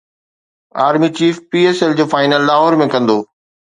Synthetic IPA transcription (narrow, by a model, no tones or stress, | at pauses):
aːɾmit͡ɕiːfpiːeːsɛld͡ʑoːfaːɪnəlːaːɦɔːɾmẽkɐ̃nd̪oː